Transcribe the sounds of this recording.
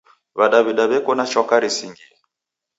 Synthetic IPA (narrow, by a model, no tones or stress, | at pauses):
βaɗaβiɗaβɛkɔnat͡ʃɔkaɾisiŋɡiɛ